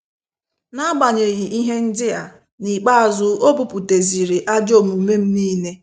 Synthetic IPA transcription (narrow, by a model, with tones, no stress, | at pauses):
na˦ɡ͡ba˨ɲe˨ɣi˨ʔi˦ɦe˦n̩˦dɪ˦a˨ | ni˨k͡pa˦˨zʊ˦o˦bu˨pu˨te˨zi˨ɾɪ˨ʔa˦d͡ʒo˦˨mu˨me˦m̩˦niː˦ne˦